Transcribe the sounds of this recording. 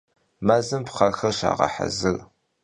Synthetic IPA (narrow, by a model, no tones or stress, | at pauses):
maːzɨmpqɐrxɐrɕa̰ːʁɐ̰ħa̰zɨr